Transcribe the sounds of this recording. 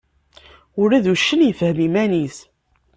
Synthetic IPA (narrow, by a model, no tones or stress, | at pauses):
ʊɾæðuʃːənjəfhəmimænis